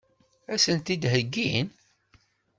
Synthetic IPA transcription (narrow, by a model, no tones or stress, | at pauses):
æsənt̪id̪ɦəɡːin